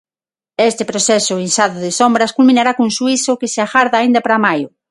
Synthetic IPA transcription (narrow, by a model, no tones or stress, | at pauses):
est̪epɾoθɛsʊinsaðʊðɪsombɾɐskulmĩnaɾakuŋsuisʊkɪseaxaɾðaːind̪apɾamajʊ